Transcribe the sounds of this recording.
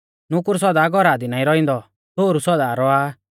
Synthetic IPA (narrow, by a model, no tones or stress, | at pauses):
nʊkʊɾs̬ɔd̪aːɡɔɾaːd̪inaːĩɾɔĩnd̪ɔ | t̪oːɾusɔd̪aːɾɔa